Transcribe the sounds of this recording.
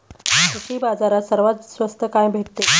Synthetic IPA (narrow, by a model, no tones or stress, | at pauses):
kuɕiːbad͡zaɾasəɾʋat̪sʋəst̪ʰəkajbʱeʈ̪̚t̪e